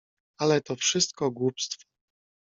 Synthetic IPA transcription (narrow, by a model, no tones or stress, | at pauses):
alɛt̪ɔfʂɘst̪̚kɔɡwupst̪fɔ̥